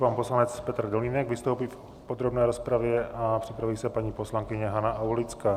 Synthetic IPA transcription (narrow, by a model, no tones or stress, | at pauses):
panposlanɛt͡spɛt̪ɾ̩doliːnɛɡvɪst̪owpiːf | pod̪ɾobnɛːɾospɾavjɛʔapr̥ɪpɾaviːsɛpaɲiːposlaŋkɪɲɛɦanaʔawlɪt͡skaː